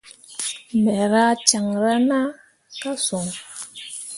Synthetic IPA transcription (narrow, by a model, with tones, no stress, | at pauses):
mɛ˨ɾa˦t͡ʃa˨ŋɾa˦na˦ | ka˦so˨ŋ